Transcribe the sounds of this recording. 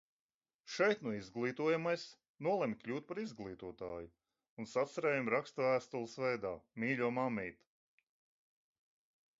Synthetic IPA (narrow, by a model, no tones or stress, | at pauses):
ʃɛjt̪nuizɡlˠiːt̪uɔjamajs | nuɔlˠɛmikʎʲuːt̪̚paɾizɡlˠiːt̪uɔt̪aːju | unsat̪sɛɾɛːjumɾakst̪væːst̪ulˠsvɛjd̪aːmiːlʲuɔmamijt̪